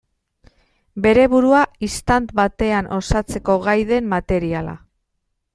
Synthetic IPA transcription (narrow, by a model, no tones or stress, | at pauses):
be̞ɾe̞βuɾuaist̪ant̪βat̪e̞anʔo̞sat͡se̞ko̞ɣajðe̞mːat̪e̞ɾiala̰